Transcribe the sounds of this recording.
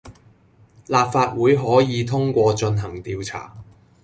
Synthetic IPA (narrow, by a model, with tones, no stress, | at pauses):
laː˨p̚faː˧t̚wuː˨˥jɦɔː˨˥jiː˨˧t̪ʰʊ˥ŋkʷɔː˧t͡ʃɵ˧nɦɐ˨˩ŋt̪iː˧wt͡sʰa̰ː˨˩